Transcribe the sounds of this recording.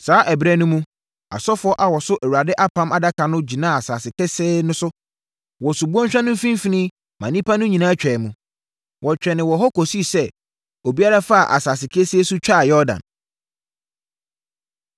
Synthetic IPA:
saː˨˦ʔɛ˨bɾɛ˦nʊ̃˦mũ˦ | a̰˨sɔ˦fɔ˦ʔa˨wɔ˨sʊ˦ʔæ˨wu˨a˨dɪ˦ʔa˦pʰã˦ma˨da˦kʰa˨nʊ̃˦d͡ʑi˨nã˦˨a˨saː˨sɪ˨kʰɛ˦sɛː˦nʊ̃˦sʊ˦ | wɔ˨sʊ˨bu˦ɔ̃˦ɲ̩˦ɕᶣã˦nʊ̃˦m̩˦fĩ˦m˦fi˦nĩ˦ | mã˨nĩ˦pʰa˦nʊ̃˦ɲĩ˨nã˦t͡ɕᶣɛ˨mũ˨ | wɔ˨t͡ɕᶣɛ˨nɪ̃˨wɔ˨ɦɔ˦ko˨si˦˨sɛ˦ | o˨bi˦a˦ɾa˦fa˦a˨ʔa̰˨saː˨sɪ˨kʰɛ˦sɛː˦su˦t͡ɕᶣa˦˨jɔ˦dã̰˨n

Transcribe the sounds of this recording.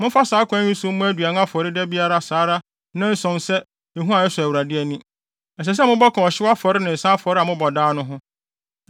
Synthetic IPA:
mʊ̃˦fa˦saː˨˦kʰʷã˦ɲĩ˦sʊ̃˦mʊ̃˦æ˦dɥa˨n˦a˦fɔ˨ɾɪ˦dɛ˦bi˦a˦ɾa˦saː˨˦ɾa˦ | nã˦n̩˦sɔ̃˨nsɛ˦ | e˨ɦũ˦a˨ɛ˦sʊ˨æ˨wu˨ɾa˨dɪ˦ɛ˨nĩ˦ | ɛ˨s̬ɛ˨s̬ɛ˦mʊ̃˦bɔ˦kʰɔ̃˨ɔ˨ɕɪ˦wa˦fɔ˨ɾɪ˦nɪ̃˨n̩˨sã˦fɔ˨ɾɪ˦a˨mʊ̃˦bɔ˨daː˦nʊ̃˦ɦʊ̃˦

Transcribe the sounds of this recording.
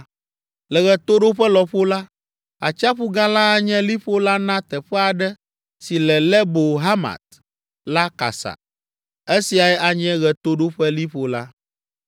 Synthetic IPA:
lɛ˨ɣɛ˨t̪o˦ɖo˦ɸɛ˦lɔ˨ɸo˦la˦ | a̰˨t͡ʃa˦ɸu˦ɡã˦la˦ɲɛ̃˦li˦ɸo˦la˦nã˦t̪ɛ˨ɸɛ˦a˨ɖɛ˦ | si˨lɛ˨lɛ˦bo˨ɦa˦ma̰˨t̪̚ | la˦ka̰˨sa̰˨ | e˦si˨a˨ɛ˦ʔa˨ɲɛ̃˦ɣɛ˨t̪o˦ɖo˦ɸɛ˦li˦ɸo˦la˦

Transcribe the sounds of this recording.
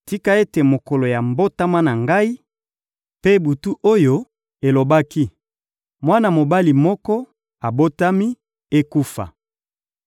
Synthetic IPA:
ti˦ka˦e˦te˨mo˨kɔ˨lo˨ja˨mbo˦ta˦ma˦na˨ŋɡa˦i˦ | pe˦bu˨tu˦ʔo˦jo˦ | e˨lo˨ba˦ki˦ | mwa˦na˨mo˨ba˦li˨mɔ˦kɔ˦ | a˨bo˦ta˦mi˦ | e˦ku˦fa̰˨

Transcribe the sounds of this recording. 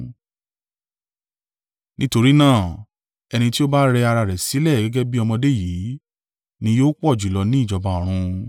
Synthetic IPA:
nĩ˦to˧ɾi˦nãː˦˨ | ɛ˧nĩ˧ti˦o˦ba˦ɾɛ˧a˧ɾa˧˨ɾɛ˨si˨˦lɛ˦˨ɡɛ˦ɡɛ˦bi˦ɔ˧mɔ̃˧de˦˨jiː˨˦ | nĩ˧joː˦k͡pɔ˦˨d͡ʒu˨lɔ˨˧nĩ˦i˦˨d͡ʒɔ˧ba˨ɔ˨ɾ̃ũ˧

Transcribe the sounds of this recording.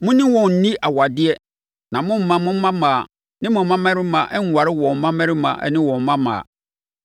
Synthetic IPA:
mʊ̃˦nɪ̃˦wɔ̃˨n̩˨nĩ˦ʔa˨wa˨dɪ˦ɛ˦ | nã˨mʊ̃˦m̩ː˦ã˦mʊ̃˦m̩˦mã˦mãː˨ | nɪ̃˦mʊ̃˨m˦mã˦mɛ̃˦ɾɪ˦mã˨ʔɛ˦ŋ˨wa˨ɾɪ˦wɔ̃˨m̩˦mã˦mɛ̃˦ɾɪ˦mã̰˨ʔɛ̰˦nɪ̃˦wɔ̃˨m̩˨˦mã˦mã̰ː˨

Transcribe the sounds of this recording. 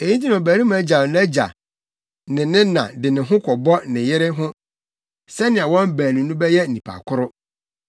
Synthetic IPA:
e˨ɲi˦nt̬ʰi˦nʊ̃˨o˨bæː˨ɾĩ˦m˦æ˦d͡ʑa˨nɛ˦d͡ʑa̰˨ | nɪ̃˨nɪ̃˦nã̰˨dɪ˨nɪ̃˨ɦʊ̃˦kʰɔ˨bɔ˦nɪ̃˨jɪ˦ɾɪ˦ɦʊ̃˦ | sɛ˦nɪ̃˨a˨wɔ̃˦m˦bæː˨nĩ˨nũ˦bɛ˦jɛ˦n̩˨nĩ˨pʰa̰˨kʰʊ˦ɾʊ˦

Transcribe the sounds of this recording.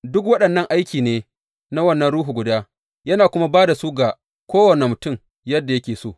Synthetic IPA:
dʊ˦k̬wɐ˦ɗɐ˨nːɐ˦˨ŋʔa˦jkʲiː˨neː˦ | na˦wɐ˦˨nːɐ˦nɽuː˦ɦu˨ɡʷʊ˨daː˦ | jɐ˦naː˨kʷʊ˦ma˦baː˦da˨su˦ɡa˨ | kʷoː˦wɐ˨ne˨mʊ˨tʊ˦˨m | jɐ˦dːa˨jɐ˦kʲeː˨soː˦˨

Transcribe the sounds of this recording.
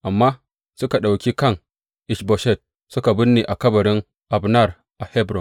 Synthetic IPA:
ʔa˨mːaː˦ | sʊ˦ka˨ɗa˨wkʲiː˦kɐ˦˨ŋ | ʔɪ˦ʃbɔ˨ʃɛ˦˨t̚ | sʊ˦ka˨bʊ˦nːeː˨ʔa˨kɐ˦bɐ˨ɾɪ˦ŋ | ʔa˨bnɐ˦˨r | ʔa˨hɛ˦bɾɔ˨n

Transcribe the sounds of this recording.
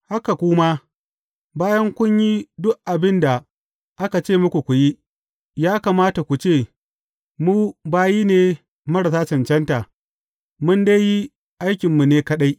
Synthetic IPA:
ha˦ka˨kʷʊ˦ma˦ | baː˦jɐ˦ŋkʷʊ˦ɲji˦dʊ˦ʔʔa˨bɪ˦nda˨ | ʔa˦ka˨t͡ʃeː˦˨mʊ˦kʷu˨kʷu˨ji˦ | jaː˦kaː˨maː˦ta˨kʷu˨t͡ʃeː˦˨ | muː˦baː˦jiː˦neː˨ | mɐ˦ɽa˨saː˦t͡ʃɐ˨nt͡ʃɛ˦nta˨ | mʊ˦nda˦ji˦ | ʔa˦jkʲɪ˨mːu˨neː˦kɐ˦ɗa˦j

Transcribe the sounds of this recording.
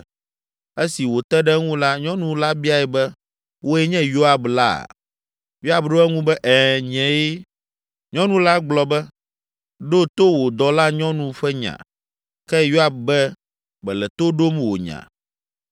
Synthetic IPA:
e˦si˨wo˨t̪ɛ˦ɖɛ˦ŋũ˦la˦ɲɔ̃˦nũ˨la˦bi˦a˨ɛ˨bɛ˦ | wʔo˦ɛ˦ɲɛ̃˦jo˦a˦bla̰˦˨ | jo˦a˦bɖo˦ɛ˦ŋũ˦bɛ˦ʔɛ˨ɲɛ̃˨je˦ | ɲɔ̃˦nũ˦la˦ɡ͡blɔ˨bɛ˦ | ɖo˦t̪o˦wo˨d̪ɔ˨la˦ɲɔ̃˦nũ˨ɸɛ˦ɲã̰˨ | kɛ˦jo˦a˦b̚bɛ˦ | bɛ˨lɛ˨t̪o˦ɖo˦mwo̰˨ɲã̰˨

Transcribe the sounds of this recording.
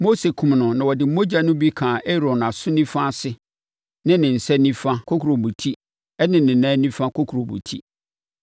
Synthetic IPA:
mo˦se˨kʰʊ̃˨mnʊ̃˨nã˨wɔ˨dɪ˨m̩˦mo˦d͡ʑa˨nʊ̃˦bi˦kʰãː˨ʔe˦ɾɔ˨na˨sʊ̃˦nĩ˦fã˦˨sɪ˦ | nɪ̃˦nɪ̃˨n̩˨sɛ˦nĩ˦fã˦kʰo˦kʰɾo˨mũ˨tʰi˦ | ɛ˦nɪ̃˨nɪ̃˨nã˦nĩ˦fã˦kʰo˦kʰu˨ɾo˨mṵ̃˨tʰi˦

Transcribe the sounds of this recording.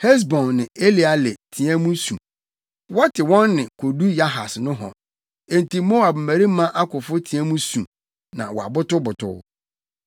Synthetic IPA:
hɛ˦s̬bɔ̃˨nːɪ̃˨e˦li˨a˨lɪ˨tʰĩ˨ɛ̃˦mũ˦sũ˨ | wa˦tʰɪ˨wɔ̃˦nːɪ̃˨kʰo˨du˦ja˦ɦa̰˨snʊ̃˦ɦɔ̰̃˨ | e˨nti˨mõ˦a˨b̩˨mæ˨ɾi˦mã˦ʔa˦kʊ˨fʊ˦tʰĩ˨æ̃˦mũ˦sũ˨ | nã̰˨wɔ˨a̰˨bʊ˦tʊ˦bʊ˨tʰʊ̰˦

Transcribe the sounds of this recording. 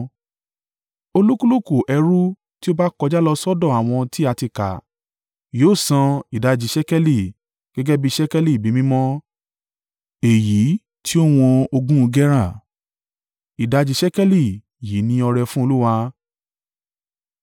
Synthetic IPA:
o˧lu˦ku˦lo˦˨ko˨ʔɛ˧ɾu˦ | ti˦o˦ba˦kɔ˧d͡ʒa˦lɔ˧sɔ˦dɔ̃˦˨a˨w̃ɔ̃˧ti˦a˧ti˧ka̰˨ | joː˨˦˨sã˧i˨da˨˧d͡ʒi˧ʃɛ˦kɛ˦li˦˨ | ɡ̥ɛ˦ɡɛ˦bi˦ʃɛ˦kɛ˦li˦˨bi˨˦mĩ˦mɔ̃˦ | e˨ji˨˦ | ti˦o˦w̃ɔ̃˧o˧ɡũ˦˧ɡɛ˦ɾa˦˨ | i˨da˧d͡ʒi˧ʃɛ˦kɛ˦li˦˨ | ji˨˦nĩ˧ɔ˧ɾɛ˧fũ˦o˧lu˦wa˧

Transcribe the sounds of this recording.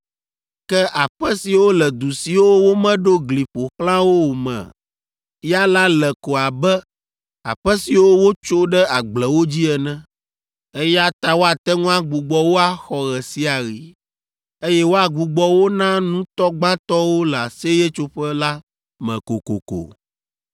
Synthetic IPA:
kɛ˦ʔa˨ɸɛ˦si˨wo˦lɛ˨d̪u˨si˨wo˦wo˦mɛ̃˦ɖo˦ɡli˨ɸo˨xlã˦wo˦wo˨mɛ̰̃˨ | ja˦la˦lɛ˨ko˨a˨bɛ˦ | a̰˨ɸɛ˦si˨wo˦wo˦t͡ʃo˦ɖɛ˦a˨ɡ͡blɛ˨wo˦d͡ʑi˦ɛ˨nɛ̃˦ | e˦ja˦t̪a˦wo˦a˨t̪ɛ˦ŋũ˦a˨ɡ͡bu˨ɡ͡bɔ˦wo˦a˨xɔ˨ɣɛ˨si˦a˨ɣi˨ | e˦jɛ˦wo˦a˨ɡ͡bu˨ɡ͡bɔ˦wo˦nã˦nũ˦t̪ɔ˦ɡ͡ba˦t̪ɔ˦wo˦lɛ˨a˨se˦jɛ˦t͡ʃo˦ɸɛ˦la˦ | mɛ̰̃˨ko̰˨ko̰˨ko̰˨

